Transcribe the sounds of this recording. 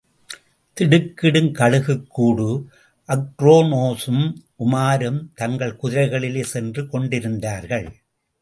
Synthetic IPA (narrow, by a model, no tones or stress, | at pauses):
t̪ɪɽɯkːɪɽɯmkɐɻɯɣɯkːuːɽu | ʔɐkɾoːnoːsɯmʔʊmaːɾɯmt̪ɐŋɡɐɭkʊðɪɾɐɪɣɐɭɪleːsɛndrɯkɔɳɖɪɾɯnd̪aːɾɣɐɭ